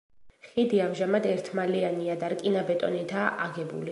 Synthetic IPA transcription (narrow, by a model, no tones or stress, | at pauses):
χid̪iamʒamad̪ɛɾt̪ʰmalianiad̪aɾkʼinabɛt̪ʼɔ̰nit̪ʰaʔaɡɛbṵli